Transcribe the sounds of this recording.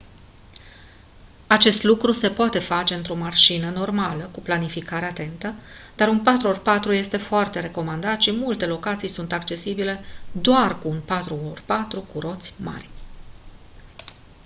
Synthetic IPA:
at͡ʃe̞st̪lukɾuse̞poat̪e̞fat͡ʃe̞ɨnt̪ɾo̞marʃinəno̞rmaləkuplanifikaɾeat̪e̞nt̪əd̪̥aɾunpat̪ɾuorpat̪ɾuje̞st̪e̞foart̪e̞ɾe̞ko̞mand̪at̪ʃimult̪e̞lo̞kat̪sijsunt̪akt͡ʃe̞sibile̞d̪oarkuːnpat̪ɾuorpat̪ɾukuɾo̞t̪sʲma̰rʲ

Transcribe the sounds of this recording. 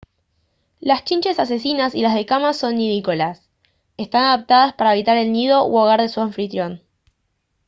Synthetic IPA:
last͡ʃint͡ʃe̞sas̬e̞sinasilazð̞ekamaso̞nːiðikolas | est̪anaðap̚t̪aðaspaɾaeβit̪aɾe̞lnið̞o̞ʔwoɣaɾðesuaɱfɾit̪ɾjo̞n

